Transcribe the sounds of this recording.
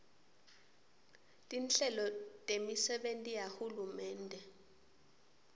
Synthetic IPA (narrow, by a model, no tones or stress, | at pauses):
tʼinɬɛlɔtʼemisɛɓentʼijahulumɛːndʱɛ